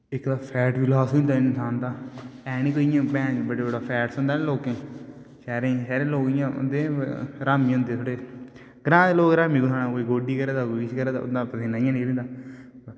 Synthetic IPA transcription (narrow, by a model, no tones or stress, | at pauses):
ɪkd̪aːpʰɛːʈʋɪlaːsnd̪aːɪnsaːnd̪aːɛːnĩːkoːɪjãːpɛ̃ːbəɖeːbəɽaːpʰɛːʈsʊ̃nd̪aːneloːkẽː | ʃɛːɾẽːʃɛːɾẽːloːkɪjãːʊ̰nd̪eːɾaːmĩːʊ̃nd̪eːt̪ʰoɽeː | ɡɾãːd̪eːloːkɾaːmiːɡʊnaːnãːoeːɡoːɖiːkəɾeːd̪aːɡiːʃkəɾeːd̪a̰ʊ̰ãːpət̪eːnːaːɪjãːnẽːɾẽnd̪aː